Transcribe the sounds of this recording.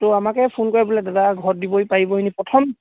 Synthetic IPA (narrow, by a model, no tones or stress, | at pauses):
tʊamakɛpʰunkɔɹɛbulɛdadaɡʱɔɹdibɔipaɹibɔɦinipɹɔtʰɔm